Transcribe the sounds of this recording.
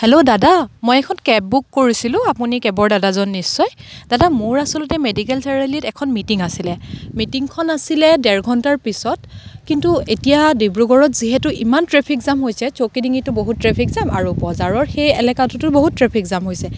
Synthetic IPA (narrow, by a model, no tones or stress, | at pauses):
hɛlodadamɔjɛkʰɔnkɛp̚bukːoɹisilʊ̃apunikɛbɔɹdadazɔnːisːɔjd̥adamoɹasɔlɔtɛmedikɛlsɛɹɛlitɛkʰɔnmitiŋasilɛmitiŋkʰɔnasilɛdɛɹɡʱɔntaɹpisɔtkintuetijadibɹuɡɔɹɔtziɦɛtʊʔimantɹɛpʰikzamɦojsɛt͡ʃokidiŋitʊboɦutːɹɛpʰikzamʔa̰ɹubɔzaɹɔɹxejɛlɛkatutʊboɦutːɹɛpʰikzamɦojsɛ